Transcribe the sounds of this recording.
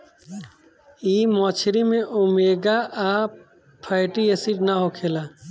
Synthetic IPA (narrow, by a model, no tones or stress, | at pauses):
iːmɔt͡ʃʰɾimẽʔumeɡaʔa | pʰəjʈiesiʈnaɦokʰela